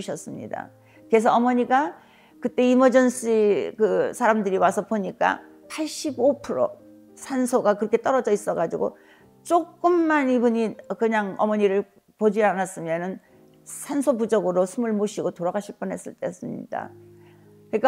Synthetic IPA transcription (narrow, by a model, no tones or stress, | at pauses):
ɕʰʌs͈ɯmɲḭda̰ | ke̞s̬ʰʌʌmʌɲiɡa | kɯt͈e̞imʌd͡ʑʌnsikɯsʰaɾamdɯɾiwasʰʌpoɲik͈a̰ | pʰaɭɕ͈ibopʰɯɾo̰ | sʰansʰoɡakɯɾʌkʰe̞t͈ʌɾʌd͡ʑʌis͈ʌɡad͡ʑiɡo | t͡ɕ͈ok͈ɯmːanibuɲikɯɲaŋʌmʌɲiɾɯɭ | pod͡ʑianas͈ɯmjʌnɯn | sʰansʰopud͡ʑʌɡɯɾosʰumɯɭmoɕʰiɡotoɾaɡaɕʰiɭp͈ɯnɦe̞s͈ɯɭt͈e̞s͈ɯmɲḭd̥a̰ | kɯɲik͈a